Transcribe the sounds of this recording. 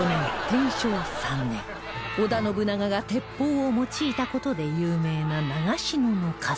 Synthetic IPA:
onot̪ẽɰ̃ɕoːsãnːḛ̃ŋ | od̪ano̞bɯ̟naɡaɡat̪e̞pːoːomo̞t͡ɕiːt̪ako̞t̪o̞d̪e̞jɯːme̞ːnanaɡaɕinono̞kʰa

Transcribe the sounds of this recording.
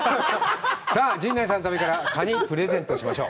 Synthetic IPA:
saːd͡ʑĩnd̪aisãnot̪abekaɾakaɲipɯ̟ɾe̞zẽ̞nt̪o̞ɕimaɕo̞̰ː

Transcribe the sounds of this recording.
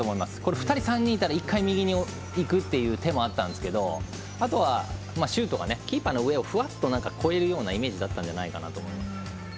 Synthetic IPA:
oːmo̞imasɨ̥ko̞ɾeɸɯ̟̥t̪aɾʲisãɲ̟ːĩːit̪aɾaikʰːaimʲiɡʲiɲ̟io | ikɯ̟t̪ːe̞jɯ̟ːt̪e̞mo̞at̪ːãnd̪esɨ̥ke̞d̪o̞ | at̪o̞βa | maːɕɨːt̪o̞ɡa̰ne̞kʲiːpano̞ɯ̟e̞o̞ɸɯ̟at̪ːo̞nãŋkakʰo̞e̞ɾɯ̟jo̞ːnaime̞ːʑid̪at̪ːãɲ̟d͡ʑanaikana̰t̪o̞ːmo̞imasɨ̥

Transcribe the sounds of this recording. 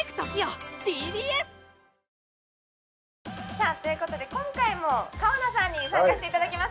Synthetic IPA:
kɯ̥t̪okʲijod̪ʲiːd̪ʲiːesɨ̥ | saːt̪o̞jɯ̟ko̞t̪o̞d̪e̞kõ̞ŋkaimo̞kaonasãɲ̟ːisãŋkaɕi̥t̪e̞it̪ad̪akʲimas

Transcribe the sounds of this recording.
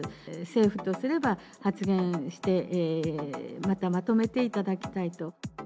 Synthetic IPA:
se̞ːɸɯ̟t̪o̞sɨɾe̞ba | hat͡sɨɡẽ̞ɰ̃ɕi̥t̪e̞ʔ | mat̪amat̪o̞me̞t̪e̞it̪ad̪akʲi̥t̪ait̪o̞

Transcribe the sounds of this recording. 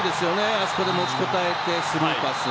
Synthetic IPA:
d̪e̞sɨjo̞ne̞aso̥ko̞d̪e̞mo̞t͡ɕi̥ko̞t̪ae̞t̪e̞sɨmakasɨ

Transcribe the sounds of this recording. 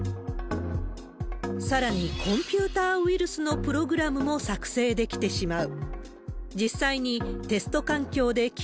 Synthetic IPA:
saɾaɲ̟ikʰõ̞mpʲɯːt̪aːɯ̟iɾɯ̟sɨno̞pɯ̟ɾo̞ɡɯ̟ɾamɯ̟mo̞sakɯ̟̥se̞ːd̪e̞kʲi̥t̪e̞ɕimaɯ̟ | d͡ʑisːaiɲ̟it̪e̞sɨ̥t̪o̞kãŋkʲo̞ːd̪e̞kʲ

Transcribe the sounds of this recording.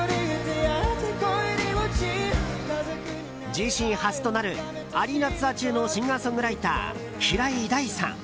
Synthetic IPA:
ɾit̪eat̪ekoeɾiot͡ɕi | d͡ʑiɕĩɰ̃hasɨ̥t̪o̞naɾɯ̟ | aɾʲinat͡sɨat͡ɕɨːno̞ɕĩŋɡasõ̞ŋɡɯ̟ɾait̪a̰ː | ɕiɾaid̪aisã̰ŋ

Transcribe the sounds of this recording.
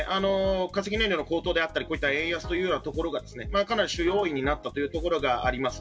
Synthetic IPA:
ʔano̞kas̬e̞kʲineɲʲɾʲjonko̞ːt̪o̞ːd̪e̞at̪ːaɾʲiko̞ːit̪ːaẽɰ̃jasɨ̥t̪o̞jɯ̟ːjo̞ːnat̪o̞ko̞ɾo̞ɡad̪e̞sɨne̞makanaɾʲiɕɨjo̞ːiɲ̟inat̪ːat̪o̞jɯ̟ːt̪o̞ko̞ɾo̞ɡaa̰ɾʲimasɨ̥

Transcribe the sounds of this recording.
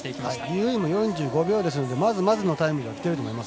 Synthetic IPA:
haidʲiɯimo̞jõ̞ɲ̟d͡ʑɨːɡo̞bʲo̞ːd̪e̞s̬ɨno̞d̪e̞mazɨmazɨno̞t̪aimɯ̟d̪eβakʲi̥t̪e̞ɾɯomo̞imas

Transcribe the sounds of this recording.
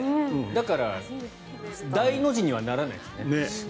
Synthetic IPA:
d̪akaɾa | d̪aino̞ʑiɲ̟iβanaɾana̰isɨnene

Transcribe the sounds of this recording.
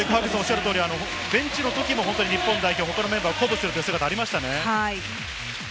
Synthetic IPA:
ekaːkɯsãːoɕːaɾɯ̟t̪oːɾʲiano̞ | bẽ̞ɲ̟t͡ɕino̞t̪o̞kʲimo̞ɦont̪oɲ̟iɲipːõnd̪aiçʲoːɦo̞kano̞me̞mbaːoko̞bɯ̟sɨɾɯt̪ojsɨɡat̪aːɾʲimaɕi̥t̪ane̞hai

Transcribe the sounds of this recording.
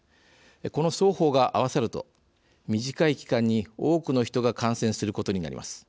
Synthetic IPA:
eko̞no̞so̞ːho̞ːɡaʔaβ̞asaɾɯ̟t̪o̞̰ | mʲiʑikaikʲi̥kãɲ̟ːio̞ːkɯ̟no̞çi̥t̪o̞ɡakãɰ̃sẽɰ̃sɨɾɯko̞t̪o̞ɲ̟ina̰ɾḭma̰sɨ̥

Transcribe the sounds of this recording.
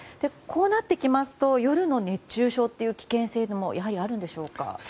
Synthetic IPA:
d̪̥e̞kʰo̞ːnat̪ːe̞kʲimasɨ̥t̪o̞jo̞ɾɯ̟no̞ne̞t͡ɕːɨːɕo̞ːt̪ːe̞jɯ̟ːkʲi̥kẽ̞ɰ̃se̞ːd̪omo̞̰jʔaɦaɾʲiaɾɯ̟̃nd̪e̞ɕo̞ːka̰

